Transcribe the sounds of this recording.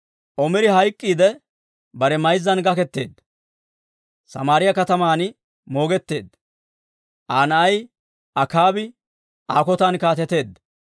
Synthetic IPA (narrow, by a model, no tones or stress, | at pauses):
ʔɔmɪɾɪɦɐjkʼːiːd̪ɛ | bɐɾɛmɐjzːɐnɡɐkɛt̪ːe̞ːd̪ːɐ | sɐ̰maːɾɪjɐkɐt̪ɐmaːn | mo̞ːɡɛt̪ːe̞ːd̪ɐ | ʔaːnɐʔɐj | ʔɐkaːbɪ | ʔaːkɔt̪ɐnkaːt̪ɛt̪e̞ːd̪ːɐ